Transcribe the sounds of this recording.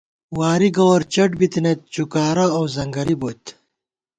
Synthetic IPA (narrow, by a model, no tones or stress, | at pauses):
waːɾiɡowɾt͡ɕɐʈbit̪inet̪̚t͡ɕukaːɾɐːwzɐŋɡɐɾibot̪